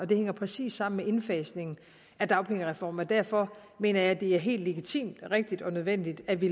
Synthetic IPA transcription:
ɒ̽d̥e̝heŋɐpʰʁɛsḭːsːɑ̈m̰n̩meʔe̝nfɛːsne̝ŋn̩ | æd̥ɑ̈ʊpʰe̝ŋ̰əʁɛfɒ̰ːmɒd̥æɐfɒ̽me̝̰ːnɐjɑ̈ɪd̥e̝æɐɦe̝̰ːld̥le̝ɡ̥it͡sʰḭːmd̥ʁeɡ̥̚d̥id̥ɒ̽nøð̞ˠʋen̰d̥id̥æʋi

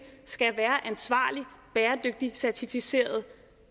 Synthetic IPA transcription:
sɡ̥æʋæːɐʔænsʋɑ̰̈ːlib̥eːɐd̥øɡ̥̚d̥isæɐt͡sʰifise̝̰ːɐð̞̩ˠ

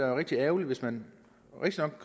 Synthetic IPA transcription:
æʁeɡ̥̚d̥iɛːʊliʋe̝smæn | ʁeɡ̥̚d̥inɒ̽ɡ̥̚ʰ

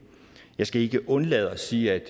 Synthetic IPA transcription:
jɑ̈ɪsɡ̥æe̝ɡ̥əʔɔ̽nlɛðˠɒsiːæd̥

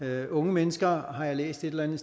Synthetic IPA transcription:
ɔ̽ŋəmenəsɡ̥ɐɦɑ̈jɑ̈ɪlḛːsd̥e̝d̥elænð̩ˠs

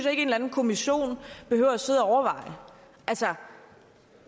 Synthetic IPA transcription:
ynsjɑe̝ɡ̥əe̝ːnlæn̩kʰo̝miɕo̝̰ːnb̥e̝høʊɐæse̝ð̞̰ˠæɒʊɐʋɑ̈ɪ̰ə | ʔælsə

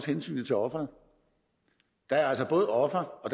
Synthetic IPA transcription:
shensy̰ːn̩ˠt͡sʰe̝ɒ̽fʁɐðˠ | d̥ɑ̈æɐælsɒb̥ɔ̽ːð̩ˠɒ̽fɐɒ̽d̥

